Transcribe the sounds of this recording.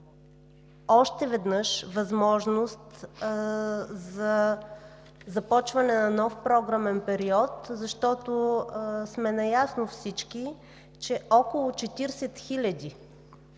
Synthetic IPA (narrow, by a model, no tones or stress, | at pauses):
ɔʃt̪ɛvɛd̪nɤʃvɐzmɔʒnʊst̪ | zɐ | zɐpɔt͡ʃvɐnɛnɐnɔfpɾɔɡɾamɛnpɛɾiɔt̪zɐʃt̪ɔt̪osmɛnɐjasnofsit͡ʃki | t͡ʃɛʔɔkolˠʊt͡ʃɛt̪iɾsɛt̪xilʲɐd̪i